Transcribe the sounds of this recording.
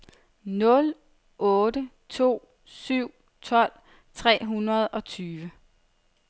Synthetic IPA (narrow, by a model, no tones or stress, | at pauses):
nɔ̽l | ʔɔ̽ːdə | t͡sʰo̝̰ː | syʊ̰ | t͡sʰɒ̽l̰ | t͡sʰʁɛ̰ːɦunɐð̞ˠɒ̽t͡sʰyːʋə